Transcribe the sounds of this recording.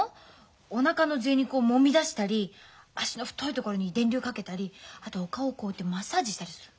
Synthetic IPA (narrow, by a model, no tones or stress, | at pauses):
onakano̞ze̞ːɲ̟ikomo̞mʲid̪aɕi̥t̪aɾʲi | aɕino̞ɸɯ̥t̪ːo̞it̪o̞ko̞ɾo̞ɲ̟id̪ẽ̞nʲɾʲɨːkake̞t̪aɾʲiat̪o̞ːkaoko̞ːt̪ːemasaːʑiɕi̥t̪aɾʲisɨ̥ɾɯ̟